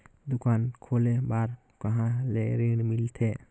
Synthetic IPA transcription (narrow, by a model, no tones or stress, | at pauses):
d̪ukankʰolebaɾ | kaɦãleɾiɽmilt̪ʰɛ